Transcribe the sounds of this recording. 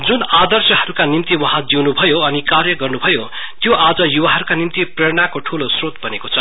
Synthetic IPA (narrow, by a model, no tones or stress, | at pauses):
d͡zunad̪ʌrsjʌɦʌɾukanimt̪iwʌɦãd͡ziwnubʱʌjoʌnikarjʌɡʌrnubʱʌjo | t̪joʔad͡zʌjuwaɦʌɾukanimt̪ipreɾɽ̃ɳ̃akoʈʰulosrot̪̚bʱʌnekot͡sʰʌ